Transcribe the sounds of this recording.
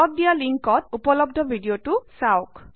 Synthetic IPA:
ɔt̚dijaliŋkɔtupɔlɔb̚dʱɔbʱidijotʊsaʊk

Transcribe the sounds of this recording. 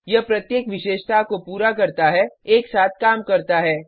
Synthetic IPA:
jɐpɾɐt̪jeːkʋɪʃeːʃt̪ʰakopuːɾakɐɾt̪aɦɛeːksaːt̪ʰkaːmkɐɾt̪aɦɛː

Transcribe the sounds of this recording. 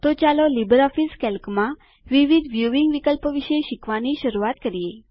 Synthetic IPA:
t̪ot͡ɕalolibəɾɔfiskɛlkmã | ʋiʋid̪ʋjuʋiŋɡʋikəlpəʋiʃeʃikʋaniʃəɾuat̪̚kəɾije

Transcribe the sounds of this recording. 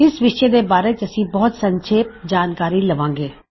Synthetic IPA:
ɪsʋɪʃed̪ebaːɾet͡ʃɐsĩbɔɦʊt̪sɐ̃ɲt͡ʃʰeːp̚d͡ʒaːnkaːɾilɐʋãːŋɡeː

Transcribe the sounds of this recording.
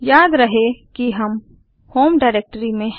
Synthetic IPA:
jaːd̪ɾɐɦekiɦɐm | hoːmɖaːɪɾeːk̚ʈəɾimẽ

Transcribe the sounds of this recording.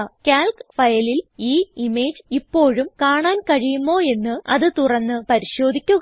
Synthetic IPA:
kʲaːlkfɐjɐliliːime̞ːd͡ʑipːo̞ːɻumkaːɳaːnkɐɻijumːo̞ːe̞nːɨɐ̰ðɨt̪urɐnːɨpɐɾiɕo̞ːd̪ʱikʲːuɣ

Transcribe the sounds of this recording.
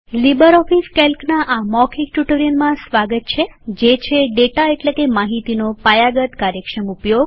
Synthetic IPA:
libəɾɔfiskelknaʔamɔkʰik̚ʈuʈəɾiənmãsʋaɡət̪̚t͡ʃʰed͡ʒet͡ʃʰeɖeʈaeʈlekemaɦit̪inopajaɡət̪kaɾjəkʃəmupjoɡ

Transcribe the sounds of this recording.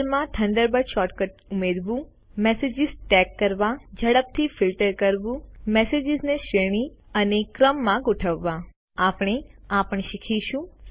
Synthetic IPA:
ɾmãʈʰəɳɖəɾbəɾʃɔʈkət̪umed̪ʋũ | mɛsed͡ʒizʈɛkːəɾʋad͡ʒəɽəp̚t̪ʰifilʈəɾkəɾʋũmɛsed͡ʒɪzneʃeɽ̃iənekɾəmːãɡʊʈʰəʋːã | apɽ̃eapəɳ̃ʃikʰiʃũ

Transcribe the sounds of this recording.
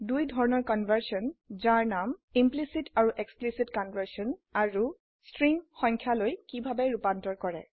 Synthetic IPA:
dujdʱɔɹɔnɔɹkɔnvʱəɹsɔnzaɹnamimplisitʰaɹuʔeksplisitkɔnvəɹsiɔnaɹu | stɹiŋxɔŋkʰjalojkibʱabɛɹupantɔɹkɔɹɛ̰

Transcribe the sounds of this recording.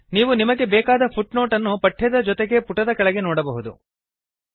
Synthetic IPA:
niːʋunimɐɡe̞bɛːkaːd̪ɐpʰuʈno̞ːʈɐnːupɐʈʰːjɐd̪ɐd͡ʒɔt̪eɡe̞puʈɐd̪ɐkɐɭɛɡe̞nɔːɽɐbɐɦud̪ṵ

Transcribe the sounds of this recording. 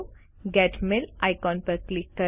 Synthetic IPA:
ɡɛʈmelajkɔ̃npəɾklikːə

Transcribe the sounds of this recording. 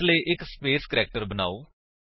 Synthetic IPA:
leʔɪkspeːskɾɛːk̚ʈəɾbəna̰ːoː

